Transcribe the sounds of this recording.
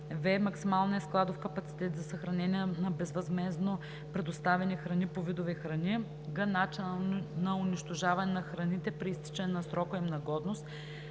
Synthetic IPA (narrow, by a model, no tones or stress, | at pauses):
vɛmɐksimalˠnʲiɛsklˠad̪ofkɐpɐt̪si̥t̪ɛt̪zɐsɐxɾɐnɛniɛnɐbɛzvɐzmɛzno | pɾɛd̪ost̪avɛnixɾɐnipovid̪ovixɾɐnʲi | ɡɐnat͡ʃinənɐʊniʃt̪oʒavɐnɛnɐxɾɐnit̪ɛpɾiist̪i̥t͡ʃɐnɛnɐsɾɔkəimnɐɡɔd̪nost̪